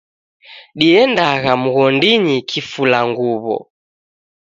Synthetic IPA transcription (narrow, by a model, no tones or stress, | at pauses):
ɗiɛndaɣamuɣɔndiɲikʰifulaŋɡuβɔ̰